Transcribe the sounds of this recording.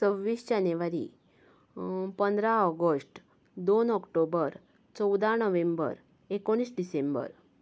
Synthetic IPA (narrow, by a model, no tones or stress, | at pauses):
t͡səʋːiːsd͡ʑanjəʋaɾḭ | pənd̪ɾaɔɡəsʈ | d̪onɔkʈobəɾ | t͡sɔwd̪anəʋẽmbə̰ɾ | ekoɽ̃iːsɖisẽmbə̰ɾ